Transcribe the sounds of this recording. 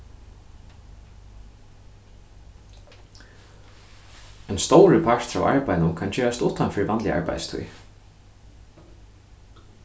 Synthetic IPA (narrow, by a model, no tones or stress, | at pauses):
ɛjnst̪ɔwɾəpʰaɹ̥t̪a̰wʔa̰ɹpajnʊmkʰant͡ɕeːast̪uːt̪anfɪɾvant̪lɪa̰ɹpa̰jst̪ʰṵj